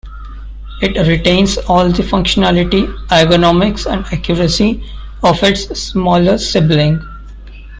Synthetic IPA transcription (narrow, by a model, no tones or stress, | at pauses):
ɪʈɾɪʈẽːnzɔːld̪ifʌ̃ŋkʃənælɪʈiaɪɡonɔːmɪksɛ̰̃ɳɖækjuɾəsi | ɔːʋɪʈsːmɔːləɾsɪblɪ̃ŋɡ